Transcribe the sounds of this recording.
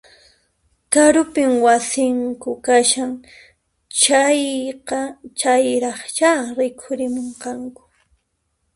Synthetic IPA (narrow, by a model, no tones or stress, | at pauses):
kaɾʊpɪmwasɪŋkʊkaʃaŋ | t͡ʃajqɑt͡ʃajɾɑχt͡ʃaɾɪkʰʊɾɪmoɴqɑŋkʊ̥